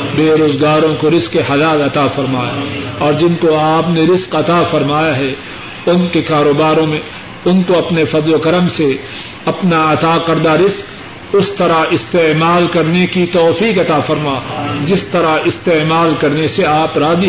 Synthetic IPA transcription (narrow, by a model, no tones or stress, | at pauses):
beːɾoːzɡaːɾõkoɾɪzkeɦɐlaːlɐt̪afɐɾmaːja̰ɔːɾd͡ʒɪnkoaːpneɾɪzqɐt̪aːfɐɾmaːjaɦɛ | ʊnkekaːɾoːbaːɾõmẽ | ʊnkoɐpnefɐzlokɐɾəmse | ɐpnaɐt̪aːkɐɾd̪aɾɪzk | ʊst̪ɐɾaɪst̪eːmaːlkɐɾnekit̪ɔːfiːkɐt̪afɐɾmaːd͡ʒɪst̪ɐɾaɪst̪eːmaːlkɐɾneseaːpɾaːd̪i